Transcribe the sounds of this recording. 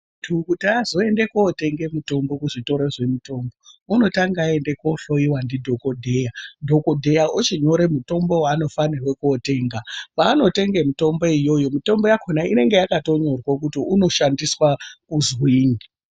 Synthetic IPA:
tʰukutazo̞e̞nde̞kote̞ŋɡe̞muto̞mbo̞kuʐito̞ɾe̞ʐe̞muto̞ːmbo̞uno̞taŋɡae̞nde̞koɬojiwandidʱo̞ko̞dʱejadʱo̞ko̞dʱe̞jaʔut͡ʃiɲo̞ɾe̞muto̞mbo̞waːno̞fanirwekuote̞ːŋɡapaːno̞te̞ŋɡe̞mito̞mboijo̞jo̞mito̞mbo̞jakʰonaine̞ŋɡe̞jakato̞ɲo̞rwokutiuno̞ʃandiswakuzwiːŋi

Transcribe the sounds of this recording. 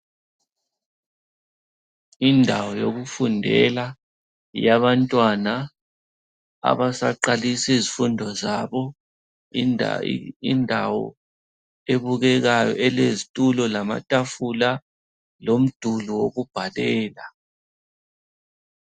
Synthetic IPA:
indʱawɔjoɣufundʱɛ̰la | jaβantʼwana | a̰βasaǃalisizifundʱɔzaβɔ | ndʱa̰wɔ̰ | eβuɣɛɣajɔ̰ʔɛlezitʼulɔlama̰tʼafula | lom̩d̥ʱuluwoɣub̥ʱalɛːla

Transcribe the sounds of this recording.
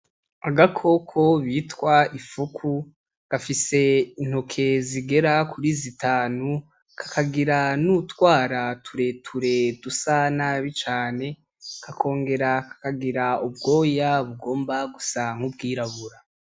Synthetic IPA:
aɡakʰo̞kʰo̞βiːtwaifukʰu | ɡ̥afise̞in̥hokʰe̞ziɡe̞ɾakʰuɾizitaːnu | kʰḁkʰaɡiɾanutwaːɾatʰuɾe̞tʰuɾe̞dusanaβit͡ʃaːne̞ | kʰakʰo̞ːŋɡe̞ɾakḁkaɡiɾaub̚ɡo̞ːjaβuɡo̞ːmbaɡusaŋhub̚ɡiːɾaβuɾa

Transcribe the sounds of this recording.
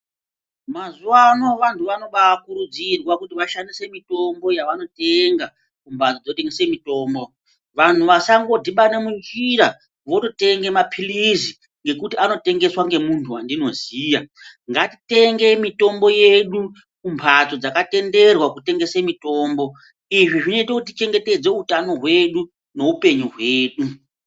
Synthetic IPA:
mazuwanoʋantʰuʋano̞ɓakuɾud͡zirwakutiʋaʃandise̞mito̞mbo̞jaʋano̞te̞ŋɡa | kumpʰat͡sod͡zoteŋɡesemito̞ːmbo̞ | ʋantuʋasaŋɡo̞dʱiɓane̞mund͡ʒiɾa | ʋo̞tote̞ŋɡe̞mapʰilizi | ŋɡe̞kutiano̞te̞ŋɡe̞swaŋɡe̞muntʰuandino̞ziːjaŋɡatite̞ŋɡe̞mito̞mbo̞je̞ɗu | kumpʰat͡so̞d͡zakate̞nde̞rwakute̞ŋɡe̞semito̞ːmbo̞ | iʐiʐino̞itekutit͡ʃe̞ŋɡe̞te̞d͡ze̞utano̞ɦwe̞ɗu | ne̞upe̞ɲuɦweːɗu

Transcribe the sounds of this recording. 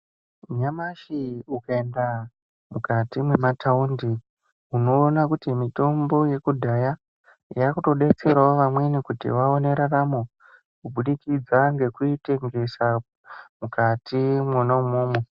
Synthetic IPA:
ɲamaʃiukaenda | mukatimwe̞mataundi | uno̞ːnakutimito̞mbo̞je̞kudʱaja | jakuto̞ɗe̞t͡se̞ɾwaoʋamwe̞nikutḭwaone̞ɾaramo | kubuɗikid͡zaŋɡe̞kuite̞ŋɡe̞sa | mukatimwanaumuːmwe

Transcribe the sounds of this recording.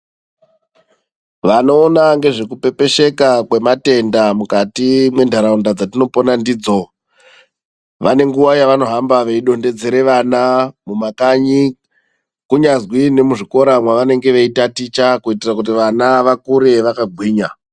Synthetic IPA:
ʋano̞ːnaŋɡe̞ʐekupe̞pe̞ʃe̞kakwe̞mate̞ndamukatimwe̞ndʱaɾaundad͡zatino̞po̞nandiːd͡zo | ʋane̞ŋɡuʋajaʋano̞ɦambaʋe̞iɗo̞nde̞d͡zeɾe̞ʋanamumakaɲi | kuɲazwine̞muʐiko̞ɾamwaʋane̞ŋɡe̞ʋeitatit͡ʃakuitirakut̬iʋanaʋakuɾe̞ʋakaɡʱwiːɲa

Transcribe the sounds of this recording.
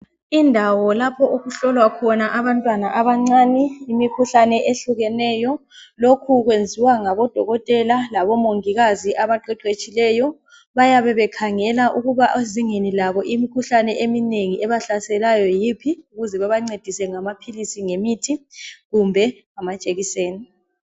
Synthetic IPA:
indʱawɔlapʰɔʔoɣuɬɔlwakʰɔnaʔaβantʼwanaʔaβaŋ͡ǀaːnɛimikʰuɬanɛʔeɬuɣɛnɛjɔ | lokʰuɣwend͡zʱiwaŋaβɔd̥ʱɔɣɔtʼɛlalaβɔmoŋiɣaziʔaβaǃɛǃwet͡ʃʼilɛjɔ | βajaβɛβɛkʰaŋɛlaʔuɣuβaʔziŋenilaβɔʔimikʰuɬanɛʔemineŋiʔɛβaɬasɛlajɔjipʰiuɣuzɛβaβaŋ͡ǀed̥ʱisɛŋamapʰilisiŋemitʰiɣumbʱɛŋamat͡ʃʼeɣiseːni

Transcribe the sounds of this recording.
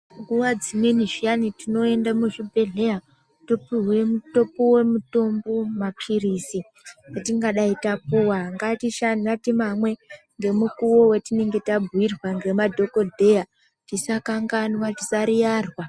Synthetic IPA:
ŋɡuwad͡zimwe̞niʐianitino̞e̞ndamuʐibʱe̞ɮe̞ja | topiwemuto̞powe̞muto̞mbomapʰiriːsi | jatiŋɡaɗaitap̚uwaŋɡatiʃan̤atimamwe̞ | ŋɡe̞mukuwo̞we̞tine̞ŋɡe̞tabʱwirwaŋɡe̞madʱo̞ko̞dʱe̞ja | tisakaŋɡanwati̥saɾijarwa

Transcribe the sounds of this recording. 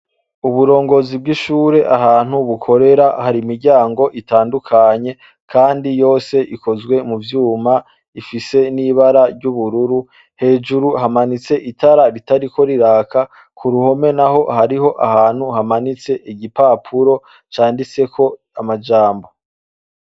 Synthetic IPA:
uβuɾo̞ːŋɡo̞zib̚ɡiʃuːɾe̞ʔaɦaːn̥huβukʰo̞ɾe̞ɾahaɾimiɾɟaːŋɡo̞ʔitaːndukʰaɲe̞ | kʰaːndijo̞ːse̞ʔiko̞zɡwe̞muvjuːma | ifise̞niβaɾaɾɟuβuɾuɾu | he̞ːd͡ʒuɾuhamanit͡se̞ʔitʰaɾaɾitaɾikʰo̞ɾiɾaːka | kʰuɾuho̞me̞naɦo̞haɾiɦo̞ʔahaːn̥huhamanit͡se̞ʔiɟipaːpʰuɾo̞ | t͡ʃaːndit͡se̞kʰo̞ | amad͡ʒaːmbo̞

